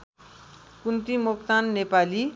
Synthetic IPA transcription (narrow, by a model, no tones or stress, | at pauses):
kunt̪imokt̪anːepali